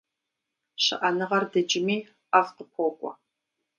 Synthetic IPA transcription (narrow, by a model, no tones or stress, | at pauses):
ɕɨ̰ʔɐnɨʁɐrdɐd͡ʒɪmiː | afqəp̚ʷʰoːkʷʼɔ̰